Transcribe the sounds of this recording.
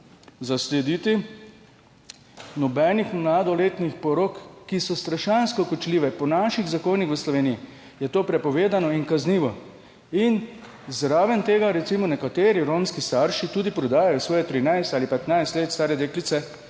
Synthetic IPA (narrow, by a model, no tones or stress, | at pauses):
zaslɛd̪it̪i | nɔbɛnixmlaːd̪ɔleːt̪nixpɔɾokːisɔst̪ɾaʃanskɔkɔt͡ʃliːʋɛpɔnaʃiɣzakoːnixʋəslɔʋeːniji | jɛt̪oːpɾɛpɔʋeːd̪anɔinkazniːʋɔ | in | zɾaːʋɛnt̪eːɡaɾɛt̪simɔnɛkat̪eːɾiɾoːmskist̪aɾʃit̪uːd̪ipɾɔd̪aːjajɔsʋɔːjɛt̪ɾinajst̪aːlipɛt̪najst̪leːt̪st̪aːɾɛd̪eːklit̪sɛ